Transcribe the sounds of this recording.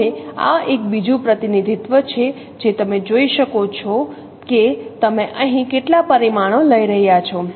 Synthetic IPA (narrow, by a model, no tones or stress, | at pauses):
ea̰ek̚bid͡ʒũpɾət̪inid̪ʱit̪ʋət͡ʃʰe | d͡ʒet̪əmed͡ʒoiʃəkot͡ʃʰɔ | ket̪əmeʔəɦĩkeʈlapəɾimaɽ̃oləiɾəɦjat͡ʃʰɔ